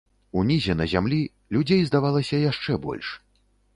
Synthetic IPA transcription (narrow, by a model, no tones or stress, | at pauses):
unʲizʲɛnɐzʲamlʲi | lʲud͡zʲejzd̪avalˠɐsʲɐjaʂt͡ʂɛbɔ̰lʲʂ